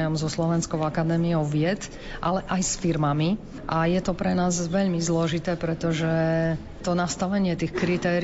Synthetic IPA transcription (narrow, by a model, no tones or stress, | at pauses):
jɔmzɔslɔʋɛnskɔʊakad̪ɛːmiɔʊʋɪɛt̪ | ʔa̰lɛʔajsfiɾmami | ʔajɛt̪ɔpɾɛnaːzʋɛʎmizlɔʒit̪ɛːpɾɛt̪ɔʒɛ | t̪ɔnast̪aʋɛɲɪɛt̪ixkɾit̪ɛːɾ